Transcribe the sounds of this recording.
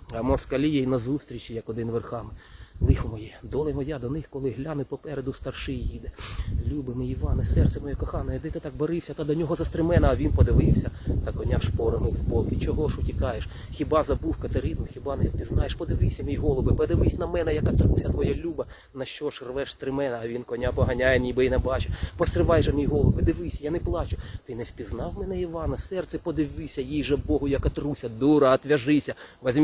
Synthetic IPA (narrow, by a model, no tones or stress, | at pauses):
ɐmɔskɐlʲijɛinɐzust̪ɾʲit͡ʃijɐkɔd̪ɪnʋerxɑmɪlˠɪxɔmɔjɛd̪ɔlˠejmɔjad̪ɔnɪxkɔlˠɪɦlʲanʊwpɔpɛɾed̪ʊst̪ɐrʃɪjjid̪ɛlʲubɪmɪiʋɑnɪsɛrt̪sɛmɔjɔkɔxɑnɔjɛd̪ɛt̪ɪt̪ɑk̚bɔɾɪwsʲɐt̪ɑd̪ɔnʲɔɦɔzɐst̪ɾɪmɛnɐːʋʲinpɔd̪ɪʋɪwsʲɐt̪ɑkɔnʲaʃpɔɾɪmɪwbɔlˠkʲit͡ʃɔɦɔʃʊtʲikɑjeʃ | xʲibɑzɐbuwkɐt̪ɐɾizmʊxʲibɑnɛpʲiznɑjeʃpɔd̪ɪʋɪwsʲɐmʲijɦɔlˠɔbɪpɔd̪ɪʋɪsʲnɐmɛnɛjɐkɐt̪ɾusʲɐt̪ʋɔjalʲubɐ | nɐʃt͡ʃɔʃrʋɛʃst̪ɾɪmɛnɐːʋʲinkɔnʲapɔɦɐnʲajenʲibɪinɛbɑt͡ʃepɔst̪ɾɪʋɑjʒɐmʲijɦɔlˠɔbɪd̪ɪʋɪsʲɐjanɛplˠɑt͡ʃʊt̪ɪnɛsʲpʲiznɑwmɛnɛiʋɑnɐsɛrt̪sɛpɔd̪ɪʋʲɪsʲɐjijʒɛbɔɦʊjɐkɐt̪ɾusʲɐd̪uɾɐːt̪ʲʋʲɐʒɪsʲɐʋɐzʲm